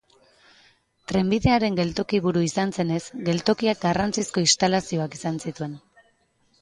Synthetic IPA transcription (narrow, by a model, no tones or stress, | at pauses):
t̪ɾe̞mbiðe̞aɾe̞ŋɡe̞lt̪o̞kiβuɾuisanse̞ne̞sɡe̞lt̪o̞kiak̚ɡarant͡sisko̞ist̪alasio̞akisansit̪ue̞n